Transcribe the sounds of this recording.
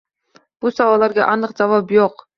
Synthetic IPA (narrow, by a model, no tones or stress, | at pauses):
b̥usɑwɑlˠːɑɾɡʲɛ̰ʔɑnəqd͡ʒɑvɑpjoq